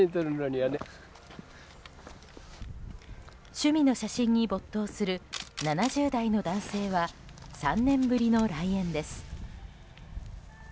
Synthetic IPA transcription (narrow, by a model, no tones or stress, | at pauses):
ĩt̪oɾɯnoɲʲiane | ɕɨmʲino̞ɕaɕĩɲ̟ːibo̞t̪ːo̞ːsɨɾɯ̟nanaʑɨːd̪aino̞d̪ãɰ̃se̞ːβa | sãnːẽ̞mbɯɾʲino̞ɾaiẽ̞nd̪e̞sɨ̥